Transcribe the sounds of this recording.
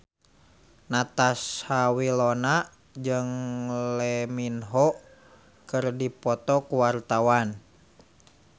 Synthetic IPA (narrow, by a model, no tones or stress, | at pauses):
nat̪ashawilɔnaʔ | d͡ʒɨŋlɛminɦɔʔ | kɨrdipɔt̪ɔkuwart̪awan